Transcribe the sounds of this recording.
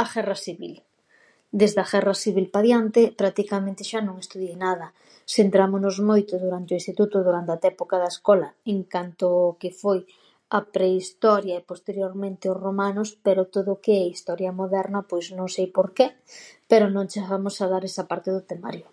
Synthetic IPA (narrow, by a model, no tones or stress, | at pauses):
ɐɣɛrɐsiβḭl | d̪ezðaɣɛrasiβilpaðjant̪epɾak̚t̪ikamẽnt̪ɪʃanõŋest̪uðjejnað̞ɐ | sent̪ɾamʊnʊzmojt̪ʊðuɾant̪eɪoĩnst̪it̪ut̪ʊðuɾant̪eat̪ɛpokaðaeskɔlɐeŋkant̪ʊːkefoj | ɐpɾeist̪ɔɾjɐepost̪eɾjoɾmẽnt̪eozromanʊspeɾot̪oðʊkeɛist̪ɔɾjɐmoðɛɾnɐpojznõŋsejpoɾke | peɾʊnõŋt͡ʃeɣamʊsaðaɾɛsɐpaɾt̪eðʊt̪ema̰ɾjʊ